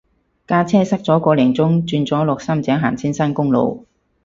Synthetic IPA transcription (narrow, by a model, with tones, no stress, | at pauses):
kaː˥t͡sʰɛː˥sɐ˥k̚t͡sɔː˨˥kɔː˨˧lɪ˨˩ŋt͡sʊ˥ŋt͡syː˧nt͡sɔː˨˥lɔː˨k̚sɐ˥mt͡sɛː˨˥ŋɦaː˨˩nt͡sʰiː˥nsɐ˥nkʊ˥ŋlo̰˨˧w